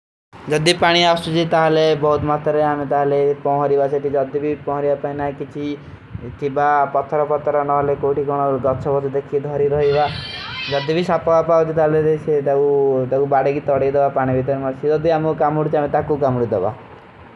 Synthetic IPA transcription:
d͡ʒɔd̪ipaɽ̃iasud͡ʒit̪aɦɔlebɔɦut̪mat̪ɔɾeamet̪aɦɔlepɔɦɔɾibaseʈ̪ʰid͡ʒɔd̪ibʱipɔ̃ɦɔɾibapaĩnakit͡ʃʰi | t̪ʰibapɔt̪ʰːɔɾɔpɔt̪ʰːɔɾɔnɔɦɔlekoʈiɡɔɽ̃ɔɡɔt͡ʃʰɔbɔd͡ʒd̪ekʰid̪ʱɔɾiɾɔɦibad͡ʒɔd̪ibʱisapɔbapat͡ʃʰit̪aɦleset̪eut̪eubaɽeɡit̪ɔɽejd̪ebapaɽ̃ibʱit̪̬ɔɾmat͡ʃʰid͡ʒɔd̪iamukamuɽut͡ʃʰiamet̪akukamuɽid̪eba̰

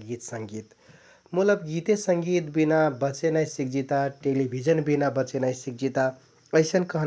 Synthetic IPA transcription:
ɡit̪səŋɡit̪ | mut̪ləbɡit̪esəŋɡit̪binabət͡ʃenajsik̚d͡ʒit̪aʈelibʱid͡ʒənbinabət͡ʃenajsik̚d͡ʒit̪a | əɪsənkəɦn

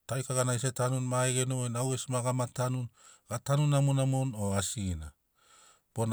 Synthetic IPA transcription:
tajkaɡanajsetanunmaeɡenojnawesmaɡamatanun | ɡ̥atanunamonamono̞asina̰ | b̥on

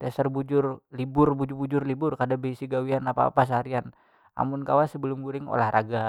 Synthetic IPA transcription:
t̪asərbud͡ʒʊrlibʊrbud͡ʒʊrbud͡ʒʊrlibʊrkadabəisiɡawianapa̰ːpas̬aaɾian | ʔa̰mʊnkawasəbəlʊmɡuɾɪŋo̰lahrʔaɡa

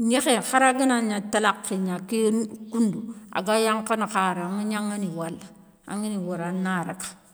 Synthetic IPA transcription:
ɲekexaɾaɡinaɲatalakːeɲakenkundua̰ɡajaŋkanakaɾaaŋiɲaŋiniwalːa | a̰ŋiniwaɾanaɾa̰kḁ

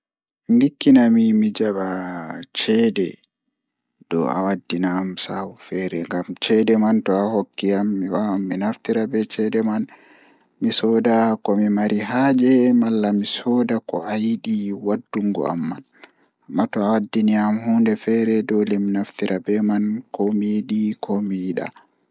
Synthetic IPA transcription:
ndikːinamimid͡ʒaɓat͡ʃɛdɛ | d̥ɔ̰a̰wadːinamsawufɛːɾɛŋɡamt͡ʃɛdɛmantɔahokːiamːiwamːinaft̪iɾabɛt͡ʃɛdɛman | misɔdakɔmimaɾiɦaːd͡ʒɛmalːamisɔdakɔ̰ajiɗiwadːuŋɡɔ̰a̰mːan | amːatɔawadːiniamhuːndɛfɛɾɛdɔlɛminaft̪iɾʔabɛmankɔmijiɗikʰɔmijiɗa̰

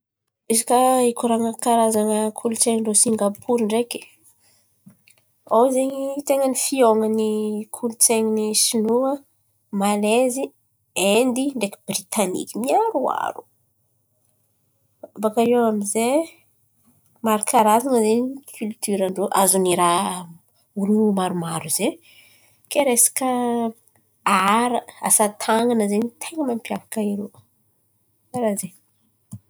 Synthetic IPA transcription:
izikaikuɾaŋəkaɾazaŋəkʰulut͡seŋiɳɖ͡ʐosiŋɡapʰuɾiɳɖ͡ʐeki̥ | awzeɲit̪eŋənifioŋənikʰulut͡seŋinisinuə | malezi | end̪iɳɖ͡ʐeki̥brit̪anḭkimiaɾua̰ɾu̥ | bakaɾewamize | maɾakʰaɾazaŋəzeɲikʰylt̪yɾaɳɖ͡ʐoʔazuniɾa | ulumaɾumaɾuze | keɾesḁkə | aɾəa̰sat̪ʰaŋanəzeɲit̪ʰeŋəmampjavḁkaiɾo | aɾaze

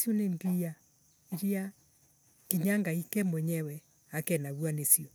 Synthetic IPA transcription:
sioneŋɡia | iɾia | kiɲaŋɡaikɛmwɛɲɛwɛ | akɛnaɣwanesiɔ

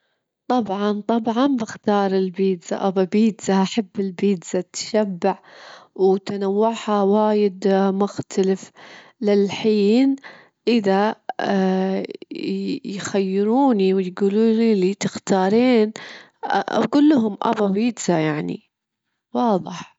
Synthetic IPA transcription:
t̪ˤɑbʕɑnt̪ˤɑbʕɑnbɪxt̪ɑːɾˤɪlbiːd̪za̰ʔababiːd̪zaʔaħabːɪlbiːd̪z̥at̪ːʃabːaʕwt̪anawːaʕħhawaːjɪd̪mʊxt̪ʰalɪf | lɪlħiːn | ʔɪða | jxajːɪɾuːniwɪjɡuːluːnilit̪ɪxt̪ɑːɾˤiːn̰ | ɡuːlːʊɦʊmʔa̰babiːd̪zajaʕnḭ | wɑːðˤɨħ

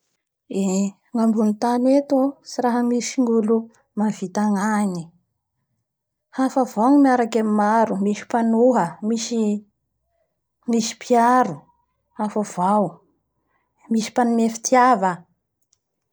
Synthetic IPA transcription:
e | ŋambunit̪anet̪usiɾaɦəmisiŋɡulu | manv̥it̪aŋani | hafəvawŋmiaɾakamimaɾumiʃi̥panuɦəmiʃi | misi̥piaɾu | hafav̥aw | misi̥panumefi̥t̪iava

